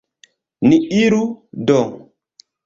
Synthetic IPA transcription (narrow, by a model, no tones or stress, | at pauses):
niiɾudɔŋ